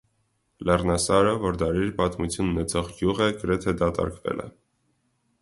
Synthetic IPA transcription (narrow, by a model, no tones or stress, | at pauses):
lɛrnɑsɑɾəvɔɾd̪ɑɾiɾpɑt̪mut͡sʰjununɛt͡sʰɔʁɡjuʁəɡəɾɛt̪ʰɛd̪ɑt̪ɑ̰ɾkvɛ̰lɛ̰